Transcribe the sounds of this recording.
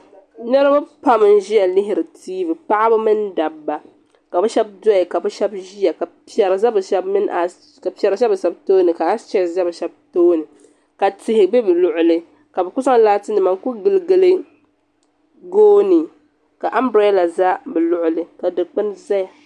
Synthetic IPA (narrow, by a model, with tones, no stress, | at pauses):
nɨ˦ɾɨ˦ba˦pa˦mɨ˨n˦ʒi˦ja˨lɪ˦ɦɪ˨ɾɨ˨tʰiː˦bɨ˨pa˦ʔa˦bɨ˦mɨ˦nda˨bːa˨ | ka˨bɛ˦ʃɛ˦b̚dɔ˦jɪ˨ka˨bɛ˦ʃɛ˦bʒi˦ja˨ka˨pɛ˨ɾa˨za˦bɨ˨ʃɛ˦bmɨ˦n˦ʔa˨ | ka˨pi˨ɛ˨ɾa˨ʃɛ˦bɨ˨ʃɛ˦btoː˦nɨ˨ka˨a˦t͡ʃɛ˦˨za˦bɨ˨ʃɛ˦b̚toː˦nɨ˨ | ka˨tɪ˨hɪ˨bɛ˦bɨ˨lʊ˨ʔʊ˨lɨ˦ | ka˨bɛ˨kʊ˦sa˦laː˦tɨ˦nɨ˨ma˨nku˦ɡɨ˨lɨ˦ɡɨ˦lɨ˦ | ɡoː˦nɨ˨ | ka˨ʔa˦mbɾa˦la˨za˦bɨ˨lʊ˨ʔʊ˨lɨ˨ka˨dɨ˨k͡pɨ˦nza˦ja˨